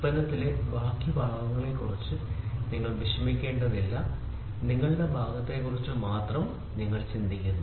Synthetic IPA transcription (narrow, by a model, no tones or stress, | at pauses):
bɐnːɐt̪ːilebaːkjɐbʱɐɭɐʋɐŋːɐɭelkurit͡ɕːɨniŋːɐɭbʱiɕrɐmikʲːe̞ːɳɖɐðilːɐ | niŋːɐɭɽebʱaːɡɐt̪ːe̞kurit͡ɕːɨmaːt̪rɐm | niŋːɐɭt͡ɕind̪ʱikʲːunːu